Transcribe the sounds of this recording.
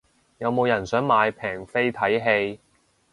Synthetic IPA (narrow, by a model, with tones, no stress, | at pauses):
jɐ˨˧wmo˨˧wjɐ˨˩nsœː˨˥ŋmaː˨˧jpʰɛː˨˩ŋfe˥jt̪ʰɐ˨˥jɦe˧j